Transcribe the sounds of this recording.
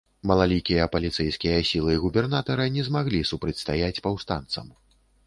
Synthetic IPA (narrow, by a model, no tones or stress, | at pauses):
mɐlˠalʲikʲijɐpɐlʲit̪sɛjskʲijɐsʲilˠɨɣubʲɛrnat̪ɐɾɨnʲɛzmaɣlʲisupɾɐt͡sʲst̪ajat͡sʲpawst̪a̰nt̪sɐ̰m